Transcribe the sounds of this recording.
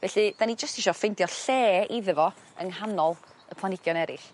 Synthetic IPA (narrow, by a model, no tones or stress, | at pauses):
vɛɬɨd̥anid͡ʒəstiʃɔfɪndjɔɬɛːiðəvɔ | əŋɦanɔlˠ | əpʰlˠanɪɡ̥jɔnɛɾɪ̰ɬ